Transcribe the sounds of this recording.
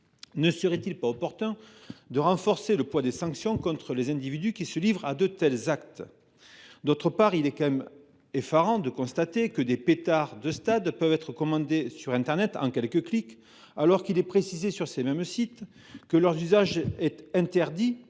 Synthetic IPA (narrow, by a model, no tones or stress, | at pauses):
nəsəʁɛt̪ilpaɔpɔʁt̪ɛ̃ | d̪əʁɑ̃fɔʁseləpwad̪esɑ̃ksjɔ̃kɔ̃t̪χəlezɛ̃d̪ivid̪ykʲisəlivʁad̪øt̪ɛlzak̚t̪ | d̪ot̪χəpaʁilɛkɑ̃mɛm | efaʁɑ̃d̪əkɔ̃st̪at̪ekəd̪epet̪aʁd̪əst̪ad̪pœvɛt̪χəkɔmɑ̃d̪esyʁɛ̃t̪ɛʁnɛt̪ɑ̃kʲɛlkəklik | alɔʁkilɛpχesizesyʁsemɛmsit̪ | kəlœʁzyzaʒɛt̪ɛ̃t̪ɛʁd̪i